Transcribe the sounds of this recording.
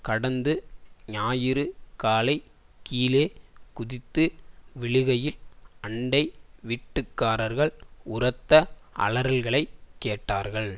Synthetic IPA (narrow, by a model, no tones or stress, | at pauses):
kɐɽɐnd̪ɯɲaːjɪɾɯkaːlɐɪ | kiːleːkʊðɪt̪ːɯʋɪɭɯɣɐjɪlɐɳɖɐɪʋiʈːɯkːaːɾɐɾɣɐɭʊrɐt̪ːɐʔɐ̰lɐɾɐlɣɐɭɐɪkːeːʈːaːɾɣɐɭ